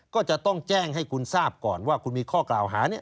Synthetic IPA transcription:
kɔː˥˩t͡ɕa˨˩ʔt̪ɔ˥˩ŋt͡ɕɛː˥˩ŋɦa˥˩jkʰu˧nsaː˥˩p̚kɔ̰ː˨˩nwaː˥˩kʰu˧nmiː˧kʰɔː˥˩klaː˨˩wɦaː˩˦ni˥˩ɐʔ

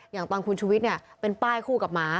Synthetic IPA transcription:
jaː˨˩ŋt̪ɔː˧nkʰu˧nt͡ɕʰuː˧wi˦˥t̪̚ni˥˩ɐpe˧npaː˥˩jkʰuː˥˩ka˨˩p̚maː˧

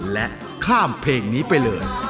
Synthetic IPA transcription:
lɛ˦˥ | kʰaː˥˩mpʰeː˧ŋniː˦˥pa˧jlɤː˧j

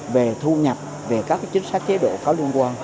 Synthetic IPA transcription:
ve˨˩t̪ʰu˧ɲə˨˩p̚ | ve˨˩kaː˦˥k̚t͡ɕï˨˦ŋ̟sa˦˥k̚t͡ɕe˨˦˥ɗo̰˧˨kɔ˨˦lu˧ənkwaː˧n

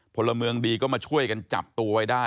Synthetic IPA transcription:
pʰo˧lːa˧mɯ˧əŋdiː˧kɔː˥˩maː˧t͡ɕʰu˥˩əjka˧nt͡ɕa̰˨˩p̚t̪u˧ɐwa˦˥jdaː˥˩

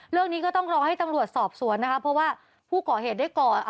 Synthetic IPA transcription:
ɾɯ˥˩əŋniː˦˥kɔː˥˩t̪ɔ˥˩ŋɾɔː˧ŋha˥˩jt̪a˧mɾu˨˩ət̪̚sɔː˨˩p̚su˨˩˦ənːa˦˥kʰpʰːɾɔ˦˥waː˥˩ | pʰuː˥˩kɔː˨˩ɦeː˨˩t̪̚a˥˩jkɔː˨˩

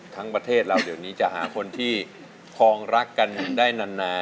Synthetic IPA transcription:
t̪ʰa˦˥ŋpɾa˧t̪ʰeː˥˩t̪̚ɾaː˧˩wdi˩˦əwniː˦˥t͡ɕa˨˩ʔɦaː˩˦kʰo˧nt̪ʰiː˥˩ | kʰɔː˧ŋɾa˦˥kːa˧nːɯ˨˩˧ŋdaː˥˩jna˧nːaː˧

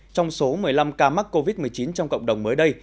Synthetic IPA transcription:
t͡ɕɔ˧wŋ͡mso˨˦mɨ˨˩əjla˧mkaː˧ma˦˥t̚kːo˧vi˦˥t̚mɨ˨˩əjt͡ɕi˨˦nt͡ɕɔ˧wŋ͡mkə̰˧˨wŋ͡mɗə˨˩wŋ͡mməː˨˦jɗə˧j

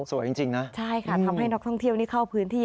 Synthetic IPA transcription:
su˨˩˦jt͡ɕi˧ŋt͡ɕi˧ŋna˦˥t͡ɕʰa˥˩jkʰa˥˩t̪ʰa˧mɦa˥˩jnɔː˦˥k̚t̪ʰɔ˥˩ŋt̪ʰi˥˩əwniː˦˥˩kʰa˥˩wpʰɯː˦˥nt̪ʰiː˥˩

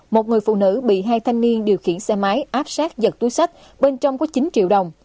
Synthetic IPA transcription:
mo˨˩t̚ŋɨ˨˩əjfṵ˧˨nɨ̰˧˥ɓḭ˧˨ɦaː˧jt̪ʰa˧jŋ̟ni˧ənɗi˨˩əwxḭ˧˨ənsɛ˧maː˨˦jʔaː˦˥p̚saː˦˥k̚zə˨˩t̚t̪u˨˦jsa˦˥k̚ | ɓe˧nt͡ɕɔ˧wŋ͡mkɔ˨˦t͡ɕi˨˦nt͡ɕḭ˧˨əwɗə˨˩wŋ͡m

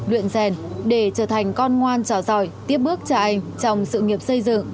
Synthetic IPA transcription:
lwḭ˧˨ənzɛ˨˩nɗe˧˩t͡ɕəː˧˩t̪ʰa˨˩jŋ̟kɔ˧nŋwaː˧nt͡ɕɔ˧˩zɔ˧˩jt̪i˦˥əp̚ɓɨ˦˥ək̚t͡ɕɔ˧ʔa˧jŋ̟t͡ɕɔ˧wŋ͡msɨ̰˧˨ŋi˨˩əp̚sə˧jzɨ̰˧˨ŋ

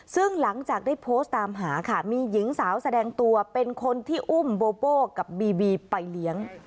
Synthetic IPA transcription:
sɯ˥˩ŋla˩˦ŋt͡ɕaː˨˩k̚daː˥˩pʰoː˦˥st̪ːaː˧mɦaː˩˦kʰa˥˩miː˧ji˩˦ŋsaː˩˦wsa˧dɛː˧ŋt̪u˧ɐpe˧nkʰo˧nt̪ʰiː˥˩ʔu˥˩mboː˧boː˥˩ka˨˩p̚biː˧biː˧pa˧jli˦˥əŋ

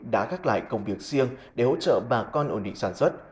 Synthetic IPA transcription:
ɗa̰ː˧˥xaː˦˥k̚la̰ː˧˨jkə˧wŋ͡mvi˨˩ək̚si˧əŋɗe˧˩ho̰˧˥t͡ɕə̰ː˧˨ɓaː˨˩kɔ˧nʔo˧˩nɗḭ˧˨ŋsaː˧˩nswə˦˥t̚

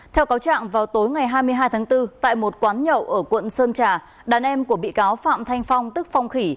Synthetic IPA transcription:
t̪ʰɛ˧wkaː˨˦wt͡ɕa̰ː˧˨ŋvaː˨˩wt̪o˨˦jŋa˨˩jɦaː˧jmɨ˧əjɦaː˧jt̪ʰaː˨˦ŋt̪ɨ˧t̪a̰ː˧˨jmo˨˩t̚kwaː˨˦nɲə̰˧˨wʔəː˧˩kwə̰˧˨nsəː˧nt͡ɕaː˨˩ | ɗaː˨˩nʔɛ˧mku˧˩əɓḭ˧˨kaː˨˦wfa̰ː˧˨mt̪ʰa˧jŋ̟fa˧wŋ͡mt̪ɨ˦˥k̚fa˧wŋ͡mxi˧˩

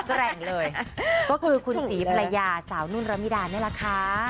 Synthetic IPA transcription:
ɾɛ˨˩ŋlɤː˧jkɔː˥˩kʰɯː˧kʰu˧nsiː˩˦pʰɾa˧jaː˧saː˩˦wnu˥˩nɾa˧mi˦˥daː˧ni˥˩ɐla˧˦˩kʰa˦˥

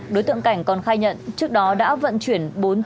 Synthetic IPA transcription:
ɗo˨˦jt̪ɨ̰˧˨ŋka˧˩jŋ̟kɔ˨˩nxaː˧jɲə̰˧˨nt͡ɕɨ˦˥ək̚ɗɔ˨˦ɗa̰ː˧˥və̰˧˨nt͡ɕwi˧˩ənɓo˨˦n

